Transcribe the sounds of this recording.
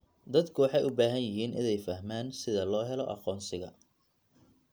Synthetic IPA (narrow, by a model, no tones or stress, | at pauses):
d̪ɐd̪kʰʊwɑħɑjʊbaːɦɐnjɪɦiːnɪ̰nɛjfɐɦmaːnsɪðɐlɔːɦɛlɔʔɑ̰qɔːnsɪɣɐ